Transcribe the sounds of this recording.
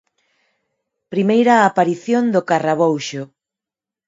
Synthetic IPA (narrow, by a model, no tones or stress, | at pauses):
pɾimejɾaːpaɾiθjond̪ʊkaraβ̞owʃʊ